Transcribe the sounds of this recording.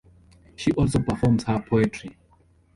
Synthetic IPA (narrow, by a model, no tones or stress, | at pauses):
ʃiʔɔlˠsopəfɔmz̥həpʰoɛtʰɹi